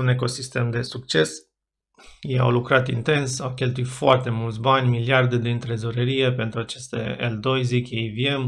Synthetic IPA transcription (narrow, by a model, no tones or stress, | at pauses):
une̞ko̞sist̪e̞md̪e̞suk̚t͡ʃe̞s | jeja̰wlukɾat̪ḭnt̪e̞nsawkʲe̞lt̪uit̪foart̪e̞mult̪s̬ʲbanʲmiliard̪ed̪iɨnt̪ɾezoɾəɾije̞pe̞nt̪ɾuat͡ʃe̞st̪ḛḛld̪o̞jzikʲejviem